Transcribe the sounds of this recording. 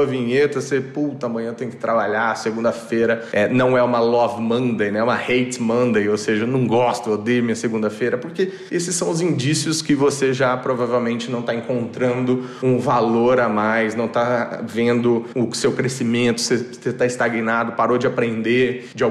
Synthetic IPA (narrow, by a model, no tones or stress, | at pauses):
ɐvĩɲet̪ɐseput̪ɐɐmɐ̃j̃ɲɐ̃t̪ẽj̃kɪ̥t̪ɾabaʎaseɡũnd̪ɐfeɾɐɛnɐ̃w̃ɛũmɐlɔvmɐ̃nd̪ejnɛũmɐhejt͡ʃmɐ̃nd̪ejowseʒɐenɐ̃w̃ɡɔst̪ʊod̪emĩɐseɡũnd̪ɐfeɾɐpoɾke | esɪsːɐ̃w̃ʊzĩd͡ʒisiʊskɪvoseʒapɾovavewmẽnt͡ʃɪnɐ̃w̃t̪aẽŋkõnt̪ɾɐ̃nd̪ʊũvaloɾamajsnɐ̃w̃t̪avẽnd̪ʊʊsewkɾesimẽnt̪ʊ̥seset̪aist̪aɡinad̪ʊpaɾod͡ʒɪapɾẽnd̪eɾd͡ʒɪa